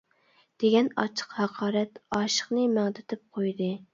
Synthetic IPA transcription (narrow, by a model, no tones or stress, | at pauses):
d̪̥eɡʲɛnɑ̰t͡ʃʰə̥qhɑqʰɑːɾɛt̪ɑːʃə̥χnɨmæŋd̪ɪt̪ʰɪp̚qʰojd̪ɨ